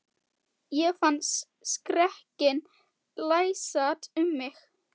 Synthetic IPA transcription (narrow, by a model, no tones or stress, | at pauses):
jɛɣfant̪s | skɾɛhcɪn | laːjsatʏmːɪx